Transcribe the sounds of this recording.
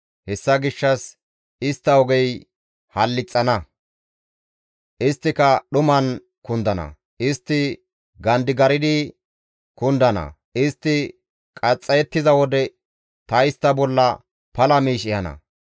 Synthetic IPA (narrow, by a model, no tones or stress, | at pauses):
hɛsːɐɡɪʃːɐs | ɪst̪ːɐɔɡɛj | hɐlːɪt͡sʼːɐnɐ | ʔɪst̪ːɪkɐɗʊmɐn | kʊnd̪ɐnɐ̰ | ʔɪst̪ːɪ | ɡɐnd̪ɪɡɐɾɪd̪ɪ | kʊnd̪ɐnɐ̰ | ɪst̪ːɪ | kʼɐt͡sʼːɐjɛt̪ːɪzɐwɔd̪ɛ | t̪ɐɪst̪ːɐbɔlːɐ | pɐlɐmiːʃɪjɐnɐ̰